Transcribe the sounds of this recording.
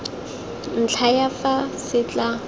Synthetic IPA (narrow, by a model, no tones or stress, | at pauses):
n̩t͡ɬʰajafasɪt͡ɬʼa